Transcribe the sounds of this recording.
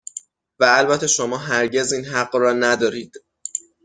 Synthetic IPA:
væːlbæt̪ʰːe̞ʃo̞mɒːɦæɾɟe̞ziːnhæɢrɒːnæd̪ɒːɾiːd̪̥

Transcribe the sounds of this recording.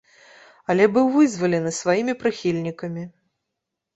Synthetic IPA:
ɐlʲɛbɨwvɨzvɐlʲɛnɨsvajimʲipɾɨxʲilʲnʲikɐmʲi

